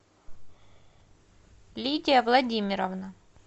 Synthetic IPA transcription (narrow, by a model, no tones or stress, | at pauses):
lʲitʲɪjəvlˠɐdʲimʲɪɾɐvnə